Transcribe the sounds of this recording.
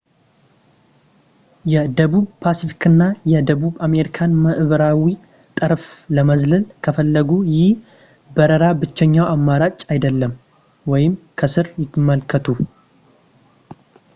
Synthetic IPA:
jɛd̪əβuβpʰasifi̥kʰɨnːajɛd̪əβuβame̞ɾikʰanməʔβəɾawi | t̪ʼɨɾfləməzlɨlkʰəfəlːəɡujɪh | bəɾəɾabɨt͡ʃːɛɲːawamːaɾat͡ʃʼajd̪əlːəm | wɔjɪmkʰəsɨɾjɪmːəlkʰət̪ʰu

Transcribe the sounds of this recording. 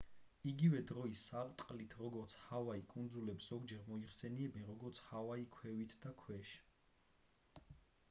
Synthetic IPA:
iɡivɛd̪ɾɔisaɾt̪ʼqʼlit̪ʰɾɔɡɔɾt̪sʰhavaikʼund̪zulɛpszɔɡd͡ʒɛɾmɔiχsɛniɛbɛnɾɔɡɔɾt̪sʰhavaikʰwɛvit̪ʰd̪̥akʰwɛʃ

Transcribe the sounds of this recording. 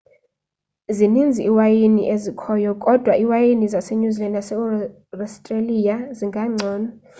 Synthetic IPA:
zinind͡zʱiʔːwajinḭʔezikʰɔjɔkʼɔd̥ʱwaʔiwajinizaseɲuzilandasɛ | rɔstʼrelijaziŋɡʱaŋ͡ǀʱɔːnɔ

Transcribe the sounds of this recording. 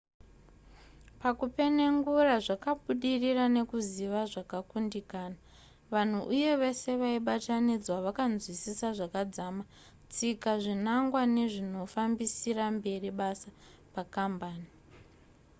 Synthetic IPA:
pakupe̞ne̞ŋɡuraʐakaɓuɗirirane̞kuziʋaʐakakundikaːna | ʋan̤uʔuje̞ʋe̞se̞ʋaiɓatanid͡zwaʋakanzwisisaʐakad͡zama | t͡sikaʐinaŋɡwane̞ʐino̞fambisirambe̞riɓasa | pakambaːni

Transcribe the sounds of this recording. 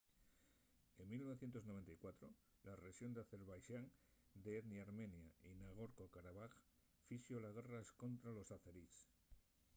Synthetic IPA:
e̞mmilnoe̞θje̞nt̪oznoβ̞ent̪ajkwat̪ɾo̞ | laresjo̞nd̪eaθe̞ɾβajʃaŋd̪eeðniaɾme̞njainaɣ̞o̞ɾkokaɾaβax | fisjo̞laɣ̞eraesko̞nt̪ɾalo̞saθeɾis

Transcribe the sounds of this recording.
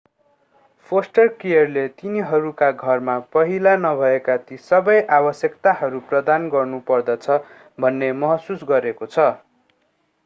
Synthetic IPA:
pʰosʈʌrkijʌrlet̪iniɦʌɾukaɡʱʌrmapʌɦilanʌbʱʌekat̪isʌbʌjʔabʌsjʌkt̪aɦʌɾuprʌd̪anɡʌrnupʌrd̪ʌt͡sʰʌ | bʱʌnːemʌɦʌsusɡʌɾekot͡sʰʌ

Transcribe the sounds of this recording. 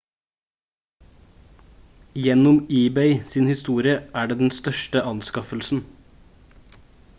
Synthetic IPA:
jɛnʊmiːbeɪsiːnhɪst̪uːɾɪəʔæːɖeːd̪ɛn̩st̪œʃʈəʔɑnskɑfəlsn̩

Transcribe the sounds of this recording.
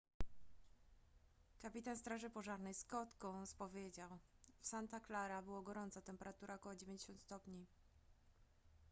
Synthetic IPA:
kapʲit̪anst̪ɾaʐɘpɔʐaɾnɛjskɔt̪kɔ̃w̃spɔvʲjed͡ʑawfsant̪aklaɾabɘwɔɡɔɾɔnt̪sat̪ɛmpɛɾat̪uɾʔaɔkɔwɔd͡ʑevʲẽɲd͡ʑeɕɔ̃nt̪st̪ɔpɲi

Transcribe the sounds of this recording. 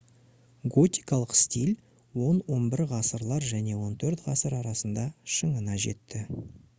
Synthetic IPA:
ɡo̞t̪ʲijkɑlˠəqst̪ilʲ | wo̞nwo̞nbɪɾʁɑsəɾlˠɑɾʒæne̞wo̞nt̪ʰɵɾt̪ʁɑsəɾɑɾɑsənd̪ɑʃəɴənɑʒe̞̰t̪ːɪ

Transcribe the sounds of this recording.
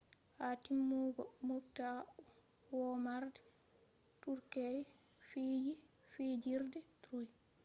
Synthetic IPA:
hatimːuɡɔmokta | wɔmaɾdɛ | tuɾkɛj | fiji | fid͡ʒiɾdɛtɾuj

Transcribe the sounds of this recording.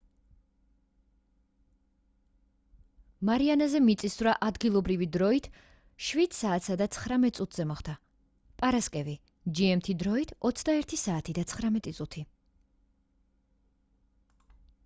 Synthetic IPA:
maɾianazɛmit̪sʼisvɾaʔad̪ɡilˠɔbɾivid̪ɾɔit̪ʰ | ʃvit̪saːt̪sad̪at̪sʰχɾamɛt̪ʼsʼut̪ʰz̥ɛmɔχd̪a | pʼaɾaskʼɛvi | d͡ʒiɛmt̪ʰid̪ɾɔit̪ʰɔt̪sʰd̪aɛɾt̪ʰisaːt̪ʰid̪at̪sʰχɾamɛt̪ʼit̪sʼut̪ʰi

